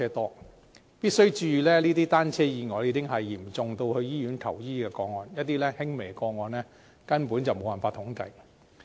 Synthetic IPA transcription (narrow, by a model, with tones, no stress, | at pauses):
ɛː˥t̪ɔː˥ | piː˥t̚sɵ˥ɥt͡ʃyː˧lɛː˥liː˥t̪iː˥t̪aː˥nt͡sʰɛː˥jiː˨˧ŋɔː˨˧˩jiː˨˧kɪ˥ŋɦɐ˨jːiː˨˩mt͡sʊ˨ŋt̪o˧whɵ˧ɥjiː˥jyː˨˥nt̪ʰɐ̰˨˩wjiː˥kɛː˧kɔː˧ŋɔː˨njɐ˥t̚t̪iː˥lɛː˥hɪ˥ŋme˨˩jkɔː˧ŋɔː˨˧nlɛː˥ | kɐ˥npuː˨˥nt͡sɐ˨wmo˨˧wɐ˨˩faː˧t̪ʰʊ˨˥ŋkɐ˨˧j